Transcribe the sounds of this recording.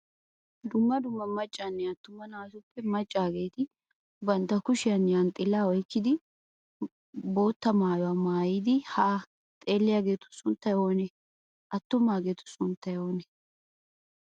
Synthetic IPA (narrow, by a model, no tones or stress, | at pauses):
d̪ʊmːɐd̪ʊmːɐmɐt͡ʃʼːanːɛɐt̪ːʊmːɐnaːsʊpːɛmɐt͡ʃʼːaːɡe̞ːt̪ɪ | bɐnt̪ːɐkʊʃɪjɐnːɛjant̪ʼɪlːaːɔjkːɪd̪ɪ | bo̞ːt̪ːɐmaːjɔwaːmaːjɪd̪ɪhaː | t̪ʼe̞ːlːɪjaɡe̞ːt̪ʊ̥sʊnt̪ːɐjoːnɛ | ʔɐt̪ːʊmaːɡeːt̪ʊ̥sʊnt̪ːɐjoːnɛ